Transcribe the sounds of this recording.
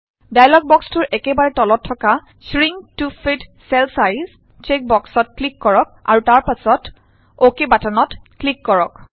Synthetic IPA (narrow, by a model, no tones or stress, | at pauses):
dajlɔɡ̚bɔkstʊɹʔɛkɛbaɹɛtɔlɔtʰːɔka | sɹiŋtufʰitsɛlsajz | t͡ʃek̚bɔksɔt̚klikːɔɹɔk̚a̰ɹutaɹpasɔt | okebatanɔtklikːɔɹɔk